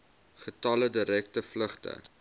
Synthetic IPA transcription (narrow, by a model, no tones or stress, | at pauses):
χətɐlədiɾɛk̚təfləχtə̰